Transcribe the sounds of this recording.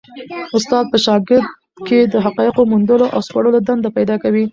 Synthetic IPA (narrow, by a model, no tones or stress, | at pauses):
ʊst̪ɑd̪̚pəʃɑɡɪɾd̪ | ked̪əɦaqɑjəqomund̪əloʔa̰wskaɽəlod̪and̪apajd̪ɑkawi